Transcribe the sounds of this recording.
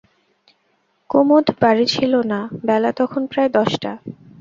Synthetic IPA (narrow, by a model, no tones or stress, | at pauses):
komod̪ʱbaɾit͡ɕʰilonabɛlat̪ɔkʰonpɾaed̪ɔʃʈa